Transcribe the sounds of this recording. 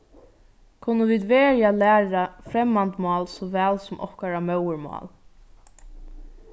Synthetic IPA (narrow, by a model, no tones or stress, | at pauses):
kʰʊnːəviːd̪ʋeːɹjalæːɾafɾɛmːant̪mɑːlsɔʋɛːlsʊmʔɔ̰hkaɾamœwəɹmɑ̰ːl